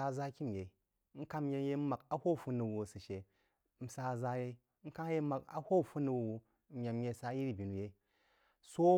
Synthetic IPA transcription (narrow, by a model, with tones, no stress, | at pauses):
a˧˨za˦kʲi˦m˨je˨˦ | ŋ̩˦ka˦m˦je˧˦je˦ma˨ka˦ho˦˨fu˦nu˨wu˨sɨ˨ʃe˨ | n̩˨sa˧˨za˦je˦ŋ̩˦ka˦je˦ma˨ka̰˦ho˦˨fu˦nu˨wu˨wu˨ | mʲa˨m˦je˧˨sa˦ji˦ɾi˨bʲi˨nu˨je˦ | so˦